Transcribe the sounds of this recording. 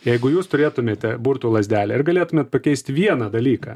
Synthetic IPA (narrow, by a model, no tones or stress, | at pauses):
jɛɪɡʊjuːst̪ʊɾʲeːt̪ʊmʲeːt̪ʲɛbuːɾt̪uːlˠɐzʲd̪ʲæːlʲɛɪɾɡɐlʲeːt̪ʊmʲeːt̪̚pɐkʲɛɪsʲt̪ʲʋʲiɛnɐd̪ɐlʲiːkɐ̰